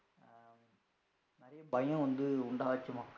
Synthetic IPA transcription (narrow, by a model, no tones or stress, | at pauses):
nɪɾɐjɐbɐjɐ̃ʋɐnd̪ɯʊɳɖaːʋɐt͡ʃːɯmaːkː